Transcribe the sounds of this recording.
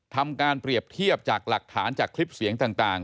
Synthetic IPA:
t̪ʰa˧mkaː˧npɾi˨˩əp̚t̪ʰi˥˩əp̚t͡ɕaː˨˩k̚la˨˩k̚t̪ʰaː˩˦nt͡ɕaː˨˩kʰli˦˥p̚si˨˩˦əŋt̪aː˨˩ŋt̪aː˨˩ŋ

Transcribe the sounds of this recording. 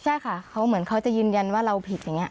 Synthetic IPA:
t͡ɕʰa˥˩jkʰa˥˩kʰa˦˥wmɯ˩˦ənkʰa˦˥wt͡ɕa˨˩jɯː˧nja˧nwaː˥˩ɾa˧wpʰi˨˩t̪̚ja˨˩ŋːi˦˥ɐ˧˩

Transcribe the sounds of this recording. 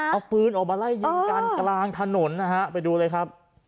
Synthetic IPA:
ʔa˧˩pɯː˦˥nʔɔː˨˩k̚maː˧la˥˩jːi˧kaː˧nklaː˧ŋt̪ʰa˧no˩˦nːa˦˧ɦa˦˥pa˧jduː˧lɤː˧jkʰɾa˦˥p̚

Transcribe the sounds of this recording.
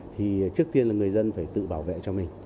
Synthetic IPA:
t̪ʰi˨˩t͡ɕɨ˦˥ək̚t̪i˧ənlaː˨˩ŋɨ˨˩əjzə˧nfaː˧˩jt̪ɨ̰˧˨ɓaː˧˩wvḛ˧˨t͡ɕɔ˧mï˨˩ŋ̟

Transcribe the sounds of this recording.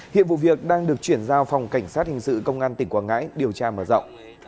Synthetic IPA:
hḭ˧˨ənvṵ˧˨vi˨˩ək̚ɗaː˧ŋɗɨ˨˩ək̚t͡ɕwi˧˩ənzaː˧wfa˨˩wŋ͡mka˧˩jŋ̟saː˦˥t̚hï˨˩ŋ̟sɨ̰˧˨kə˧wŋ͡mʔaː˧nt̪ï˧˩ŋkwaː˧nŋa̰ː˧˥jɗi˨˩əwt͡ɕaː˧məː˧˩zə̰˧˨wŋ͡m

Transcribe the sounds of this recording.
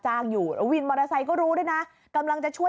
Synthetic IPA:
t͡ɕaː˧ŋjuː˨˩ɾo˨˧˦wi˧nmɔː˧ɾaː˧sa˧jkɔː˥˩ɾuː˦˥daː˥˩jna˦˥ | ka˧mla˧ŋt͡ɕa˨˩ʔt͡ɕʰu˥˩ə

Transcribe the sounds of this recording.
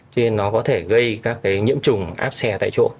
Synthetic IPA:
t͡ɕɔ˧ne˧nːɔ˨˦kɔ˨˦t̪ʰe˧˩ɣə˧jkaː˦˥kːaː˨˦jɲḭ˧˥əmt͡ɕʊ˨˩ŋ͡mʔa̰ː˦˥p̚sɛ˧t̪a̰ː˧˨jt͡ɕo̰˧˥

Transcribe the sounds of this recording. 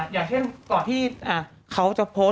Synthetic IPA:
jaː˨˩k̚t͡ɕʰe˥˩nt̪ɔː˨˩nt̪ʰiː˥˩ʔaː˧˩ | kʰa˦˥wt͡ɕa˨˩ʔpʰo˦˥

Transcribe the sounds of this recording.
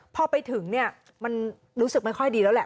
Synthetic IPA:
pʰɔː˧˩pa˧jt̪ʰɯ˩˦ŋni˥˩ɐ | ma˧n | ɾuː˦˥sɯ˨˩k̚ma˥˩jkʰɔ˥˩jdiː˧lɛː˦˥wlɛ˨˩

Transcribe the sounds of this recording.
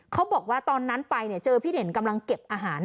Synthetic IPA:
kʰa˦˥wbɔː˨˩k̚waː˥˩t̪ɔː˧nːa˦˥npa˧jni˥˩ət͡ɕɤː˧pʰiː˥˩de˩˦nka˧mla˧ŋke˨˩p̚ʔaː˧ɦaː˩˦n

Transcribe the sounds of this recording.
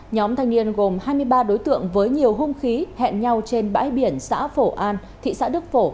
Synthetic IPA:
ɲɔ˨˦mt̪ʰa˧jŋ̟ni˧ənɣo˨˩mhaː˧jmɨ˧əjɓaː˧ɗo˨˦jt̪ɨ̰˧˨əŋvəː˨˦jɲi˨˩əwɦʊ˧ŋ͡mxi˨˦hɛ̰˧˨nɲa˧wt͡ɕe˧nɓa̰ː˧˥jɓi˧˩ənsa̰ː˧˥fo˧˩ʔaː˧n | t̪ʰḭ˧˨sa̰ː˧˥ɗɨ˦˥ək̚fo˧˩

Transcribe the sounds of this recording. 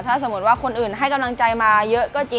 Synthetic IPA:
t̪ʰaː˥˩s̬a˨˩˦mu˦˥t̪̚waː˥˩kʰo˧nʔɯː˨˩nɦa˥˩jka˧mla˧ŋt͡ɕa˧jmaː˧jɤ˦˥ʔkɔː˥˩t͡ɕi˧

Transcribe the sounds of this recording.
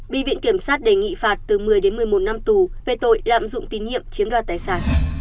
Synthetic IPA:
ɓḭ˧˨vḭ˧˨nki˧˩əmsaː˦˥t̚ɗe˨˩ŋḭ˧˨faː˨˩t̚t̪ɨ˨˩mɨ˨˩əjɗe˨˦nmɨ˨˩əjmo˨˩t̚na˧mt̪u˨˩ve˨˩t̪o̰˧˨jla̰ː˧˨mzʊ̰˧˨ŋ͡mt̪i˨˦nɲḭ˧˨əmt͡ɕi˨˦əmɗwaː˨˧˩t̪aː˨˩jsaː˧˩n

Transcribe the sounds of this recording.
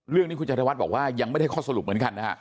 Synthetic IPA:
ɾɯ˥˩əŋniː˥ku˧nt͡ɕa˧ɾa˧wa˦˥bɔː˨˩k̚waː˥˩ja˧ŋa˥˩˨a˦˥˩kʰɔː˥˩sa˧lu˨˩p̚mɯ˩˦ənŋka˧nːa̰˦˥˦

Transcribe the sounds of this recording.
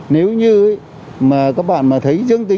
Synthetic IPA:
ne˨˦wɲɨ˧ə˨˦ | maː˨˩kaː˦˥k̚ɓa̰ː˧˨nmaː˨˩t̪ʰə˨˦jzɨ˧əŋt̪i˨˦

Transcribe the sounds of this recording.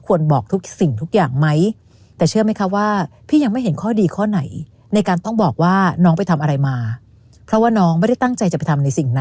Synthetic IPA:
kʰu˧ənbɔː˨˩k̚t̪ʰu˦˥k̚si˨˩ŋt̪ʰu˦˥k̚jaː˨˩ŋma˦˥j | t̪ɛː˨˩t͡ɕʰɯ˥˩əma˦˥jkʰa˦˥waː˥˩pʰiː˥˩ja˧ŋma˥˩jɦe˩˦nkʰɔː˥˩diː˧kʰɔː˥˩na˩˦j | na˧jkaː˧nt̪ɔ˥˩ŋbɔː˨˩k̚waː˥˩nɔː˦˥ŋpa˧jt̪ʰa˧mʔa˧ɾa˧jmaː˧ | pʰɾɔ˦˥waː˥˩nɔː˦˥ŋma˥˩jda˥˩jt̪a˥˩ŋt͡ɕa˧jt͡ɕa˨˩pa˧jt̪ʰa˧mna˧jsi˨˩ŋna˦

